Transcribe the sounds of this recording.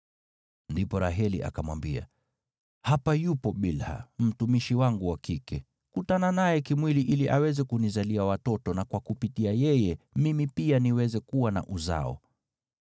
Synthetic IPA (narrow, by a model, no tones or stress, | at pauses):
ndipɔɾaɦɛlḭʔa̰kamwa̰mbia̰ | hapajupɔɓilha̰m̩tumiʃiwaŋɡuwakikɛ | kutananajɛkimwiliʔiliʔawɛzɛkunizaliawatɔtɔnakwakupitiajɛjɛmimipianiwɛzɛkuwana̰ʔuza̰ɔ̰